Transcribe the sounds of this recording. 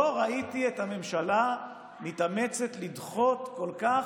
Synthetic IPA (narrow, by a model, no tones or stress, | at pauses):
oʁaitiethame̞mʃala | mit̪amet͡set̪lid̪χo̞t̪ko̞lkaχ